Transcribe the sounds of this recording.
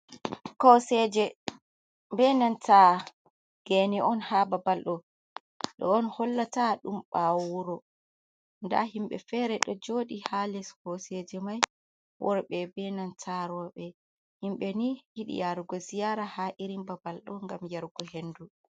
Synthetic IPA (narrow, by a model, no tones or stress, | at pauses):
kɔsɛd͡ʒɛ | bɛnantʰa | ɡ̥eniɔnhababalɗɔ | ɗɔ̰ːnhɔlːataɗumɓawuɾɔ | nda̰himɓɛ̰fɛɾɛɗɔd͡ʒoːɗihalɛskɔsɛd͡ʒɛmaj | wʔɔɾɓɛbɛnantʰaɾɔɓɛ | himɓɛnihiɗḭjaɾɡɔsijaɾahaʔiɾimbabalɗɔŋɡamjaɾɡɔɦendu